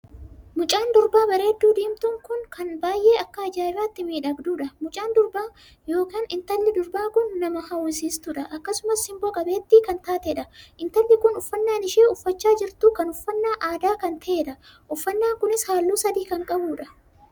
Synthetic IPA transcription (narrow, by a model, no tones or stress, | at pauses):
mʊt͡ʃʼaːnd̪ʊɾbaːbɐɾe̞ːd̪ːuːd̪iːmt̪ʊŋkʊŋkɐnbaːjʔe̞ːɐkːɐɐd͡ʒaːɪɾaːt̪ːɪmiːᶑɐɡd̪uːᶑɐmʊt͡ʃʼaːnd̪ʊɾbaː | jo̞ːkaːnɪnt̪ɐlːɪd̪ʊɾbaːkʊnːɐmɐhɐwɪsiːst̪ʊᶑɐʔɐkːɐsʊmɐshɪmboːkʼɐbe̞ːt̪ːiːkɐnt̪aːt̪ɛᶑɐʔɪnt̪ɐlːɪkʊnʊfːɐnːaːnɪʃeːʊfːɐt͡ʃːaːd͡ʒɪɾt̪ukɐnʊfːɐnːaːʔaːd̪aːkɐnt̪ʰɐeːᶑɐ | ʔʊfːɐnːaːŋkʊnɪshaːlːuːsɐd̪iːkɐŋkʼɐbuːᶑɐ